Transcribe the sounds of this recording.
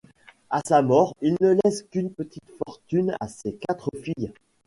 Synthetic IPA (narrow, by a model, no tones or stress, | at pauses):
asamɔːʁilnəlɛskʲynpət̪ʰit̪fɔʁt̪yna̰sekat̪χəfij